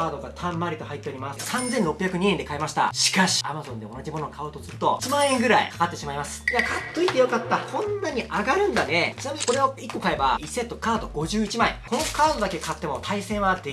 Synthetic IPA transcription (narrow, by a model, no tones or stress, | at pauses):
aːd̪o̞ɡat̪ʰãmːaɾʲit̪o̞hait̪ːeoɾʲimassãnzẽ̞nɾo̞pʲːjakɯ̟ɲ̟iend̪e̞kaemaɕi̥t̪a̰ɕi̥kaɕi̥a̰mazõ̞nd̪e̞o̞naʑimo̞no̞kʰaot̪osɨɾɯ̟t̪o̞t͡ɕimãɰ̃ẽ̞ŋɡɯ̟ɾaḭkḁkat̪ːe̞ɕimaimasɨ̥iakʰat̪ːo̞it̪ːe̞jo̞kat̪ːahõ̞nːaɲ̟iʔaɡaɾɯ̟̃nd̪ane̞t͡ɕɨnamʲii̥ko̞ɾe̞oikːo̞kae̞ba̰iset̪ːo̞kaːd̪o̞ɡo̞ʑɨːit͡ɕimaḛ̃ko̞no̞kaːd̪o̞d̪ake̞kat̪ːe̞mo̞t̪ʰaisẽ̞ɰ̃ad̪e